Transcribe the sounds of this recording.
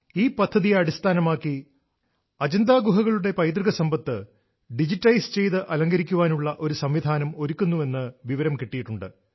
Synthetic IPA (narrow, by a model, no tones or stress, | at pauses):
iːpɐd̪ʱːɐðijeɐɽist̪ʰaːnɐmaːkːi | ɐd͡ʑɐnd̪aːɡuɦɐɣɐɭuɽe̞pɐjt̪riɣɐsɐmbɐt̪ːɨ | ɖid͡ʑitːɐjst͡ɕe̞jt̪ɨʔɐlɐŋɡɐɾikʲːuʋaːnuɭːɐʔo̞ɾusɐmʋid̪ʱaːnɐmo̞ɾukʲːunːue̞nːɨʋiʋɐɾɐmkiʈːijiʈːuɳɖɨ